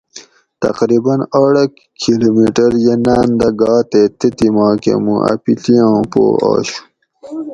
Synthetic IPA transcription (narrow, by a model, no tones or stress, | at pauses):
t̪ɐ̰qɾibɐnaɽɐk | kʰilomiʈɐɾjenaːnd̪ɐɡɑːt̪et̪et̪imɑːkḛmuʔɐ̰pit̪ijãːpo̰ːa̰ːɕu̥